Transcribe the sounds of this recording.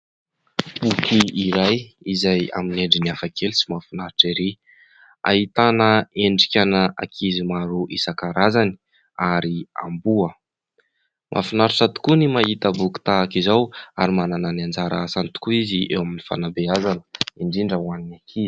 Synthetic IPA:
bukiiɾaj | izaja̰mineɳɖ͡ʐiniafakʰelsimafinaɾiʈ͡ʂiɾi | a̰it̪anəeɳɖ͡ʐikʲanəʔa̰kʰizimaɾuʔisakaɾazani̥ | aɾia̰mbuə | mʔa̰finaɾiʈ͡ʂat̪u̥kunimaɦit̪əbuki̥t̪aakizawa̰ɾimanananiand͡zaɾaasant̪u̥kuiziḛwaminifa̰nabeazanə̥iɳɖ͡ʐiɳɖ͡ʐəwaninakʰizi̥

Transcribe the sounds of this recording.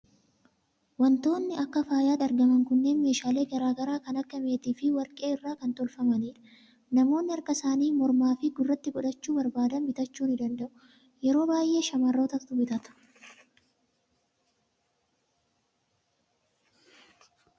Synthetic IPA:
wɐnt̪o̞ːnːɪɐkːɐfaːjaːᶑ̪ɐɾɡɐmɐŋkʊnːe̞ːnme̞ːʃaːle̞ːɡɐɾaːɡɐɾaːkɐnɐkːɐme̞ːt̪iːfɪwɐɾkʼe̞ːɪrːaːkɐnt̪ɔlfɐmɐniːᶑɐ̥ | nɐmo̞ːnːɪɐɾkɐsaːniːmɔɾmaːfɪɡʊrːɐt̪ːɪɡɔᶑɐt͡ʃːuːbɐɾbaːd̪ɐnbɪt̪ɐt͡ʃːuːnɪd̪ɐnd̪ɐʔʊ | jɛɾo̞ːbaːjʔe̞ːʃɐmarːo̞ːt̪ɐt̪ʊbɪt̪ɐt̪ʊ̥

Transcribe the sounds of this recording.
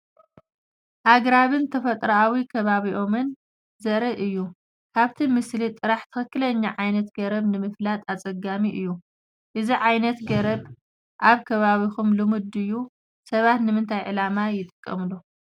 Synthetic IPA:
ʔaɡɾaβɨnt̪ʰɐfɐt̪ʼɾaawikʰɐβaβiʔo̞mɨn | zɐɾɐʔɨjːu | kʰaβt̪ʰimɨslit̪ʼɨɾaħt̪ʰɨxɨkːɨlɐɲːaʕajnɐt̪ɡɐɾɐβnɨmɨflat̪ʼat͡sʼɐɡamiʔɨjːu | ʔɨziʕajnɐt̪ɡɐɾɐβ | ʔaβkʰɐβaβixumlɨmud̪ɨjːu | sɐβat̪nɨmɨnt̪ʰajʕɨlamajɪt̪ʼɨkʼːɐ̰mlu

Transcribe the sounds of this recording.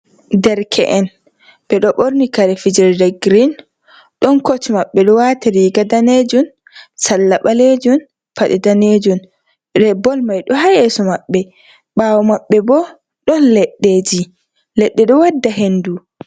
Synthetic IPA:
dɛɾkʰɛ̰ʔɛn | b̥ɛɗɔɓoɾnikaɾɛfid͡ʒɛɾdɛɡɾin | ɗɔnkotimaɓːɛɗɔwataɾiɡadaneːd͡ʒun | salːaɓaled͡ʒun | faɗɛdaned͡ʒun | ɾɛbɔlmajɗɔɦajɛsɔmaɓːɛ | ɓaːwɔmaɓːɛbɔ | ɗɔnlɛɗːeːd͡ʒi | lɛɗːɛɗɔwadːaɦendu

